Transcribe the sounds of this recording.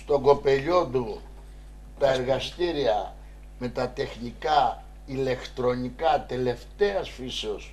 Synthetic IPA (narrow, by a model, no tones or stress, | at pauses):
st̪o̞ɡo̞pe̞ʎo̞t̪u | t̪ɐe̞ɾɣɐst̪iɾiɐ | me̞t̪ɐt̪e̞xnikɐ | ile̞kt̪ɾo̞nikɐt̪e̞le̞ft̪e̞ɐsfiseo̞s